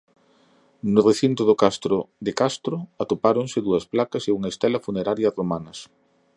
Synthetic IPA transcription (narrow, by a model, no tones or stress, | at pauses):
nʊreθint̪oðʊkast̪ɾʊðekast̪ɾoat̪opaɾoŋsɪðuɐsplakɐseuŋɐest̪elɐfuneɾaɾjɐromanɐs